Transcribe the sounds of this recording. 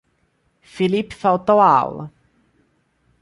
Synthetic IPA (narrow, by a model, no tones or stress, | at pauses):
filipfawt̪ɔa̰w̰